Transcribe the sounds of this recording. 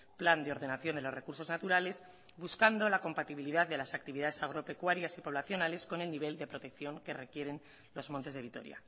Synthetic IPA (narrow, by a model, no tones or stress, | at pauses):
pland̪eo̞ɾðe̞naθjo̞nd̪e̞lo̞zre̞kuɾso̞znat̪uɾale̞z | βuskand̪o̞lako̞mpat̪iβiliðaððe̞lasak̚t̪iβiðaðe̞saɣ̞ɾo̞pe̞kwaɾjasipo̞β̞laθjo̞nale̞sko̞ne̞lniβe̞ld̪e̞pɾo̞t̪e̞kθjo̞ŋke̞re̞kje̞ɾe̞n | lo̞zmont̪e̞zðe̞β̞it̪o̞̰ɾja̰